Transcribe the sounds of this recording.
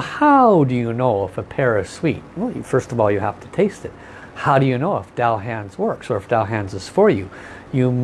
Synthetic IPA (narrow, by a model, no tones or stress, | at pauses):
haʊdɨjɨnoʊəfəpʰɛɹʌv̥swit̚wɛlˠj̰fɜ˞stʌvɔlˠjɨhæftʰə̥tʰeɪstɨt̚ | haʊɾɨjɨnoʊəfd̥aʊɦæ̃nzwɜ˞ksə˞ɨfd̥aʊɦæ̃nzɨz̥fə˞jʉ | jɨ